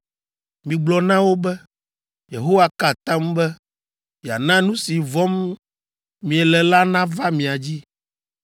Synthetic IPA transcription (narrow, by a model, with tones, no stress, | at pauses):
mĩ˨ɡ͡blɔ˨nã˦wo˦bɛ˦ | je˨ɦo˦wa˦ka˦˨t̪ã˦mbɛ˦ | mi˨a̰˨nã˦nũ˦si˨vɔ˦m | mːĩ˨ɛ˨lɛ˨la˦nã˦va˦mĩ˨a˨d͡ʑi˦